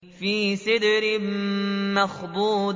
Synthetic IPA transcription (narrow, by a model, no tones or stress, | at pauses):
fiːsɪd̪ɾɪ | maxd̪ˤuːd̪